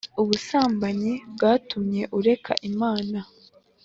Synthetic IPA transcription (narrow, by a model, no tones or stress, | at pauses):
uβusaːmbaɲibɡaːtumɲe̞ʔuɾe̞kʰa̰ʔimaːna